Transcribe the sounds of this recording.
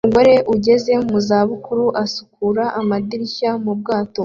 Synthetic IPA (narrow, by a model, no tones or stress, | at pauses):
uɡo̞ɾe̞ʔuɟe̞ze̞muzaːβukuɾuʔasu̥kuɾaʔamad̪iɾiçamub̚ɡaːto̞